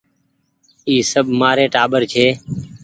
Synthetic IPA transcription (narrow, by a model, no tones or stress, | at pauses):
iːsəbʱmaːɾeːʈaːɓəɾt͡ʃʰeː